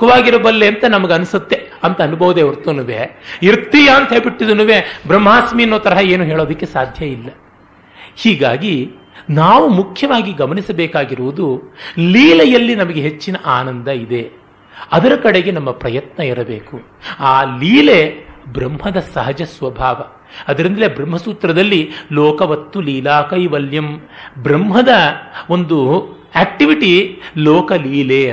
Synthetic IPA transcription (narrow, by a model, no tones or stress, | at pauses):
kːɐʋaːɡiɾɐbɐlːeɐnt̪ɐnɐmɐɡeɐnusɐt̪ːeɐnt̪ɐːnubʱɐʋud̪eʋɐɾt̪unuʋeiɾt̪ːijaːnt̪ʰeːbiʈːid̪unuʋebɾɐmːaːsminːoːt̪ɐɾɐɦɐeːnuɦeːɭoːd̪ɐkːesaːd̪ʱjɐilːɐ | hiːɡaːɡi | naːʋumukʰjɐʋaːɡiɡɐmɐnisɐbeːkaːɡiɾuʋud̪uliːlɛjɐlːinɐmɐɡeɦet͡ʃːinɐʔaːnɐnd̪ɐid̪e̞ | ɐd̪ɐɾɐkɐɽe̞ɡe̞nɐmːɐpɾɐjɐt̪nɐiɾɐbeːku | aːliːlebɾɐmhɐd̪ɐsɐɦɐd͡ʒɐsʋɐbʱaːʋɐ | ɐd̪ɐɾind̪ɐlebɾɐmɦɐsuːt̪ɾɐd̪ɐlːilɔːkɐʋɐt̪ːuliːlaːkɐjʋɐljɐmbɾɐmɦɐd̪ɐo̞nd̪u | eːk̚ʈiʋiʈilɔːkɐliːle